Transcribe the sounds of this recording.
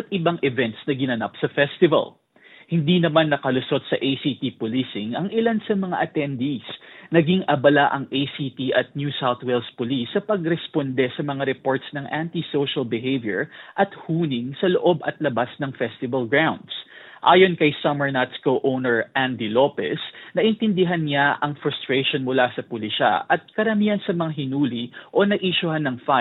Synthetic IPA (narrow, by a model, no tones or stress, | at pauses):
bɐt̪̚ʔɪbaŋʔɛvɛnt̪snɐɡɪnɐnap̚sɐfɛst̪ɪvɐ̰l | hɪnd̪inɐmanːɐkɐlʊso̞t̪̚sɐʔejsit̪ipʊlisɪŋɐŋʔɪlansɐmɐŋa̰ʔɐt̪ɛnd̪isnɐɡiŋʔɐbɐlaʔɐŋʔejsit̪iʔɐt̪̚njusawθwɛlspʊlisːɐpɐɡɾɛspond̪ɛsɐmɐŋaɾɛpo̞ɹt̪snɐŋʔant̪isowʃɐlbɪɦejvjɛ̰ɹʔɐt̪huːnɪŋsɐloʔo̞bɐt̪̚lɐbasnɐŋfɛst̪ɪbɐlɡɹawnd̪sʔa̰ːjo̞nkɐjsɐmɛɹnat̪skowʔownɛɹʔand̪ilopɛ̰snɐʔɪnt̪ɪnd̪ɪɦanɲaʔɐŋfɾʊst̪ɾeʃonmʊlasɐpʊlɪʃa̰ʔɐt̪̚kɐɾɐmiːhɐnsɐmɐŋaɦɪnuːliʔo̞nɐʔiʃʊhanːɐŋfa